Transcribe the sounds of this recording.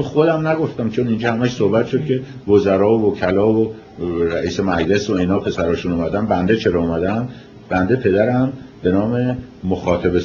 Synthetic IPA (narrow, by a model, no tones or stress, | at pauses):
oxod̪æmnæɡo̞ft̪æmt͡ʃʰonind͡ʒɒːhæmæʃsohbæt̪ʃo̞d̪̚cʲʰe̞ | vozæɾɒːovocʰælɒːvo | ɾæʔiːse̞mæd͡ʒle̞soinɒːpʰe̞sæɾɒːʃunumæd̪ænbænd̪et͡ʃʰe̞ɾɒumæd̪æn | b̥ænd̪e̞pʰe̞d̪æɾæmbe̞nɒːme̞ | moxɒːt̪ʰæbe